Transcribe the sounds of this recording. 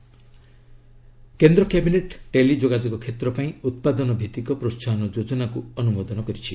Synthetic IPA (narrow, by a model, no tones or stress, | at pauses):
kend̪ɾɔkjabineʈʈelid͡ʒoɡad͡ʒoɡɔkʰet̪ɾɔpaĩut̪̚pad̪ɔnɔbʱit̪ikɔpɾostʰanɔd͡ʒod͡ʒɔnakuɔnumod̪ɔnɔkɔɾit͡ʃʰi